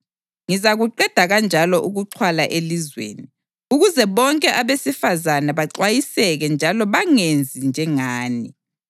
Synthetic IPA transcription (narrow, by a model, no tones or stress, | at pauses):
ŋizaɣuǃɛd̥ʱaɣand͡ʒʱalɔʔuɣuǃʰwalaʔelizwḛːni | uɣuzɛβɔŋkʼɛʔaβesifazanaβaǀwajisɛɣɛnd͡ʒʱalɔβaŋend͡zʱind͡ʒʱɛŋaːni